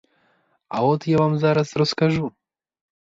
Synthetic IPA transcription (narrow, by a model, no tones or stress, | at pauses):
a̰ɔt̪javamzaɾasɾɔskaʒu